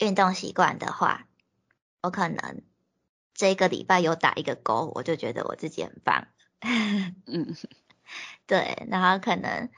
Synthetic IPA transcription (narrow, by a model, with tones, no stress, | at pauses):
y˥˧nt̪ʊ˥˨˩ŋɕḭ˧˥kwa̰˥˨nd̪ə̰˨xwa̰˥˩ | wɔ˧˦˥kʰɤ˨˩nə̰˧˥ŋ | ʈ͡ʂɤ˥˩i˧˦ɡə˨lḭ˨˩pa˥˩ɪjo˧˥ʊt̪a̰˨˩ʔi˧˥ɡə˨ko˥˦ʊwɔ̰˨˩t͡ɕjo˥˩ʊt͡ɕɥɛ̰˧˥d̪ə̰˧wɔ̰˨˩t͡sɹ̩˥˩t͡ɕi˨xə̰˨˩nfa̰˨˩ŋlə | n̩m̩˥˩ | t̪we˥˩ɪna˧˥ŋxo˥˩ʊkʰɤ˨˩nə̰˧˥ŋ